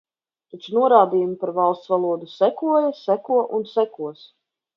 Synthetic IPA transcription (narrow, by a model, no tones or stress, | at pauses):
t̪at͡ʃunuɔɾaːd̪iːjumipaɾvalˠst̪svalˠuɔd̪usækuɔjasækuɔʔunsækuɔs